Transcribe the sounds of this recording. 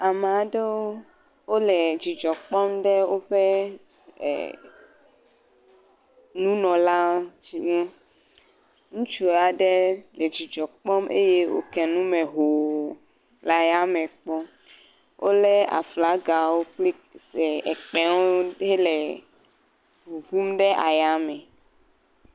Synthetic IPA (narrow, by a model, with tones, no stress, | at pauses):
a˨me˨a˨ɖe˦wo˦ | wo˦lɛ˨d͡ʒi˨d͡ʒɔ˨k͡pɔ˦mɖe˦wo˦ɸḛ˦˨ | nũ˦nɔ̃˨la˦o˦d͡ʒi˦mũ˦ | ŋũ˦t͡ʃu˦a˨ɖɛ˦le˨d͡ʒi˨d͡ʒɔ˨k͡pɔ˦mʔḛ˦je˦wo̰˦kɛ˨nũ˦mẽ˨ɦo˨ | la˨ja˦mɛ̃˨k͡pɔ˦ | wʔo˦lɛ˦a̰˨fla˨˦ɡa˨wo˦k͡pli˦ | sɛ˨ɛ˨k͡pɛ˦wo˦e˦lɛ˨ | bu˨ɡu˦mɖɛ˦ʔa˨ja˦mɛ̃˨